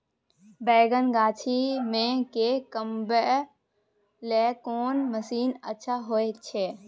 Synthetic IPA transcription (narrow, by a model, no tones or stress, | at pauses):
bɛːɡənɡaːt͡ʃʰimẽkekəmbə | lɛkoːnməsiːnətːʃʰaɦoet͡ʃʰeː